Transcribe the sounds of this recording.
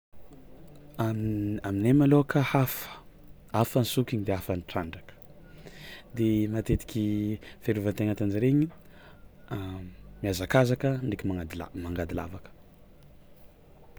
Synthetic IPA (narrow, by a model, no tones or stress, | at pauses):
amaminemaloakəhafə̥ | afansukʲiɲid̪eafanʈ͡ʂaɳɖ͡ʐakə̥ | d̪emat̪et̪i̥kʲifeɾuvaənt̪eŋant̪and͡ʒiɾeɲi | miazakazakəɳikʲimaad̪lmaŋɡad̪ila̰vakə̥